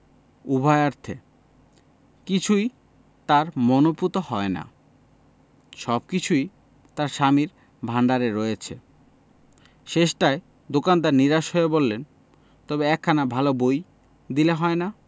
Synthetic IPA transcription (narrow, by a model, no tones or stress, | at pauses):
ubʱaeaɾt̪ʰe | kit͡ɕʰuj | t̪aɾmonoput̪ohɔena̰ | ʃɔb̚kit͡ɕʰuj | t̪aɾʃamiɾ | bʱaɳɖaɾeɾːojet͡ɕʰe | ʃeʃʈae | d̪okand̪aɾniɾaʃoebolːen | t̪ɔbeɛkʰːanabʱaloboj | d̪ileɦɔena